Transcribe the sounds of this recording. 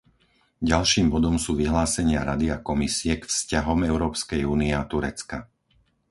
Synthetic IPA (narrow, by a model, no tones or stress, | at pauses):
ɟalʃiːmbɔd̪ɔmsuːʋiɦlaːsɛɲɪaɾad̪iakɔmisiɛkfscaɦɔmɛʊɾɔːpskɛjuːniɛat̪uɾɛt͡ska